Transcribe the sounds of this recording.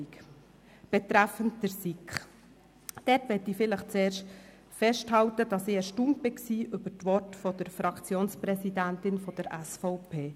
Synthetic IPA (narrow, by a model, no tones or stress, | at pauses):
k | b̥ɛt̪ɾæfəntd̥əɾsikχ | d̥ɛtʋɛtifɪləχt͡seːrʃt | fɛʃthɑwtəd̥ɑsiːɛʃtumtb̥ɪksiːʔʏbəɾtʋɔtfɔd̪əɾfɾɑkt͡sjoːnspɾɛsidæntɪnfɔd̥əɾæsfɔʊpʰeː